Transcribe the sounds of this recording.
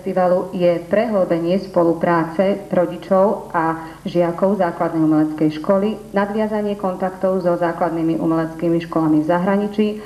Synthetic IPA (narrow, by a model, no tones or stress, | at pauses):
st̪iʋalujɛpɾɛɦlɔbɛɲɪɛspɔlupɾaːt͡sɛɾɔɟit͡ʃɔʊa | ʒɪakɔʊzaːklad̪nɛjumɛlɛt͡skɛjʃkɔlinad̪ʋɪazaɲɪɛkɔnt̪akt̪ɔʊzɔzaːklad̪nimiʔṵmɛlɛt͡skiːmiʃkɔlamivzaɦɾaɲit͡ʃi